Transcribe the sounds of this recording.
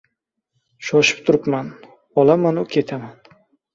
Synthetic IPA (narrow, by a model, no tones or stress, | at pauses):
ʃɒʃɪ̥p̚t̪ʰʊɾɪpman | ɒlamanʊkʲʰe̞t̪ʰaman